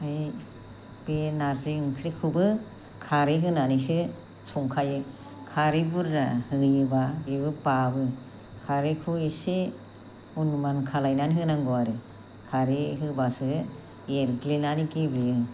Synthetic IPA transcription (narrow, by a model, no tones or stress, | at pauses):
aj | benaɾziŋkʰɾikʰubɯ | kʰaɾiɦɯnanisɯ | suŋkʰajɯ | kʰaɾibuɾzahɯjɯbabebɯpabɯ | kʰaɾikʰuese | unmankʰalajnaniɦɯnaŋɡɔaɾɯ | kʰaɾiɦɯbasɯ | eɾɡlenanikibɾiɯ